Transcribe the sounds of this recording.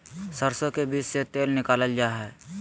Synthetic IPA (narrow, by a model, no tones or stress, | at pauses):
səɾsõkebiːt͡ʃset̪eːlnɪkaːləld͡ʒaːɦɛː